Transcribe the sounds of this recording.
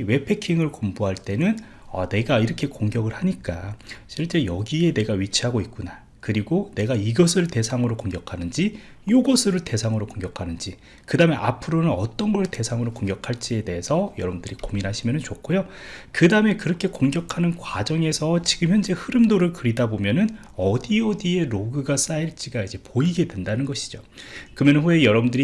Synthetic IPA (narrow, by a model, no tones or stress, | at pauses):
we̞pʰe̞kʰiŋɯɭkombuɦaɭt͈e̞nɯn | ʌ̰ne̞ɡaiɾʌkʰe̞koŋɡjʌɡɯɭhaɲik͈a̰ɕʰiɭt͡ɕ͈e̞jʌɡie̞ne̞ɡaɥit͡ɕʰiɦaɡoit̚k͈una | kɯɾiɡone̞ɡaiɡʌsʰɯɭte̞sʰaŋɯɾokoŋɡjʌkʰanɯnd͡ʑi | joɡʌsʰɯɾɯɭte̞sʰaŋɯɾokoŋɡjʌkʰanɯnd͡ʑi | kɯdame̞ʔa̰pʰɯɾonɯnʌt͈ʌnɡʌɭte̞sʰaŋɯɾokoŋɡjʌkʰaɭt͡ɕ͈ie̞de̞ɦesʰʌjʌɾʌbundɯɾikominɦaɕʰimjʌnɯnt͡ɕokʰojokɯdame̞kɯɾʌkʰe̞koŋɡjʌkʰanɯnkwad͡ʑʌŋe̞sʰʌt͡ɕiɡɯmçjʌnd͡ʑehɯɾɯmdoɾɯɭkɯɾidabomjʌnɯn | ʌdiʌdie̞ɾoɡɯɡas͈aiɭt͡ɕ͈iɡaid͡ʑe̞poiɡe̞dwe̞ndanɯnɡʌɕʰi̥d͡ʑo | kɯmjʌnnɸuejʌɾʌbɯndɯɾi